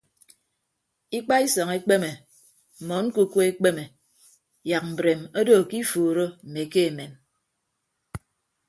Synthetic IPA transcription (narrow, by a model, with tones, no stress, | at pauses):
i˦k͡pa˦i˦sɔ˨ŋe˦k͡pe˦me˨ | m̩˨mɔ˨˦ŋ̩˦ku˦kʷe˦e˦k͡pe˦me˨ | ja˨k̚m̩˨bɾe˨mo˦do˦˨ki˦fuː˨ɾo˦m̩˨me˨ke˦e˨me˨m